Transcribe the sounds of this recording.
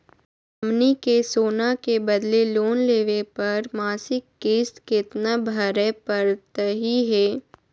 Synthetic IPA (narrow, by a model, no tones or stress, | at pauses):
ɐmnikesoːnakebɐd̪leloːnleːʋepɐɾmaːsɪkːeːst̪kɪt̪nabʱəɾɛpəɾt̪əɦiɦɛː